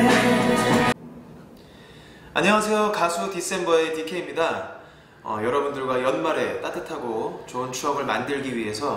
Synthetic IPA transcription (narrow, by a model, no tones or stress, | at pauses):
aɲʌwasʰe̞jokasʰutis͈e̞nbʌe̞tikʰeimɲida | ʌ̰jʌɾʌbundɯɭɡwajʌnmaɾet͈atʰɯtʰaɡot͡ɕoɯnt͡ɕʰuɦʌmɯɭmandɯɭɡiɥiɦe̞sʰʌ